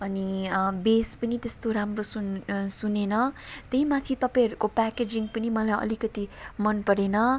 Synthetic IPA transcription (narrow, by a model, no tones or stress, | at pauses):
ʌnibespʌnit̪est̪oɾamrosunsunenʌt̪eɦimat̪ʰit̪ʌpãj̃ɦʌɾukopaked͡ziŋɡpʌnimʌlajʌ̰likʌt̪imʌnpʌɾenʌ